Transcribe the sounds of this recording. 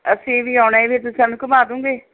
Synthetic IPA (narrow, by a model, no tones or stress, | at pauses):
ə̰sĩːʋiːɔːʊnaːebeːt̪̬ʊsãːnũːkəmaːd̪ũːŋɡeː